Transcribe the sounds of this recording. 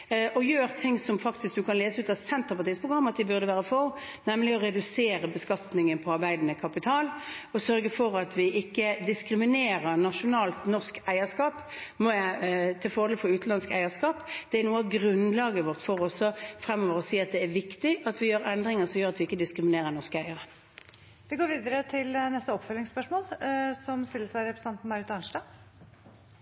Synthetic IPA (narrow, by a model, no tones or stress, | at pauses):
ʔɔjøːɾt̪ʰɪŋsɔmfɑkt̪ɪsk̚d̪ʉkʰɑnleːsəʉːt̪ɑsɛnt̪əpɑt̪ʰiːspʰʁʊɡɾɑmːɑt̪̚d̪ɪbʉʁd̪əʋæːʁəfɔ | nɛmːəlɪɔɾɛd̪ʉseːɾəbəskɑt̪nɪŋənpʰɔɑɾbæɪd̪nəkʰɑpɪt̪ʰɑːlɔsœɾɡəfɔɾɑt̪ʰʋɪʔɪkːəd̪ɪskɾɪmɪneːɾəʁnɑʂʊnɑːlt̪nɔʁskæɪəskɑːp | mɔjæɪt̪ʰɪlfɔʁd̪ɛlfɔɾʉːt̪n̩lɑnskæɪəskɑːpd̪̥ɛæɾnuːəɑɡʁʉnlɑːɡəʋɔʁt̪fɔʁɔsːɔfʁɛmːɔːʋəʁɔsiːɑt̪̚d̪ɛːɾʋɪkt̪ɪʔɑt̪ʰʋɪjøːɾɛnd̪ɾɪŋəʁsɔmjøːʁɑt̪ʋɪɪkːəd̪ɪskɾɪmɪneːʁənɔʁskəæɪəɾə | ʋɪɡoːɾʋiːd̪əɾət̪ʰɪlnɛst̪əɔpfœlɪŋspœʂmoːlsɔmst̪ɪlːəsæɪɾɛpɾəsɛnt̪n̩mɑɾɪt̪ɑnʂʈɑː